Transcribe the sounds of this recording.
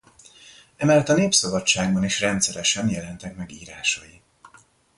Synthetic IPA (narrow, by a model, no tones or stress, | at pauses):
ɛmɛlɛt̪ɒneːpsɒbɒt͡ʃːaːɡbɒniʃrɛnt̪sɛɾɛʃɛnjɛlɛnt̪ɛkmɛɡiːɾaːʃɒji